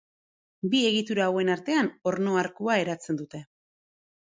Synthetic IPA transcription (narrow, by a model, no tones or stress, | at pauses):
bie̞ɣit̪uɾaːwe̞naɾt̪e̞ano̞ɾno̞aɾkuae̞ɾat͡se̞nd̪ut̪e̞